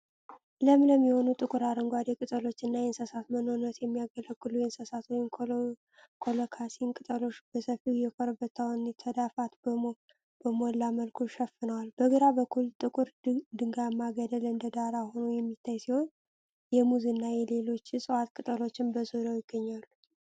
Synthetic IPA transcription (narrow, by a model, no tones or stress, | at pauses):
ləmləmːiho̞nut̪ʼɨkʼɨɾaɾəŋɡʷad̪ekʼɨt̪ʼəlo̞t͡ʃːɨnːajɛnsəsat̪mənoɾɨnːət̪jɛmːijaɡələɡːɨlujɛnsəsat̪wɔjɪn | kʰolokʰasinkʼɨt̪ʼəlo̞t͡ʃːb̥əsəfijɛkʰʼɔɾbət̪ʰːawnt̪ʰəd̪afat̪bə | b̥əmolːaməlkʰuʃɛfɨnəwalbəɡəɾabəkʰːult̪ʼɨkʼʊɾd̪ɨŋɡamaɡəd̪əlɨnd̪əd̪aɾaho̞nujɛmːit̪ʰːajsiho̞n | jɛmuzinːajɛle̞lo̞t͡ʃːsʼɨwat̪kʼɨt̪ʼəlo̞t͡ʃːɪnbəzod̪awjɪɡːəɲːalːu